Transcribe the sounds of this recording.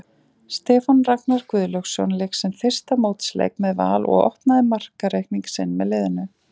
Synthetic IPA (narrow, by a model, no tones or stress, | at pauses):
st̪ɛːfanraknaɾ̥kvʏːðlœxsjɔ̰wnlɛksɛmθɪr̥st̪amowt̪slḛjkmɛðva̰ːlɔ̰ɣɔ̰ht̪naðɪmar̥kaɾejkniŋksɪnːmɛðlɪːðɪnʏ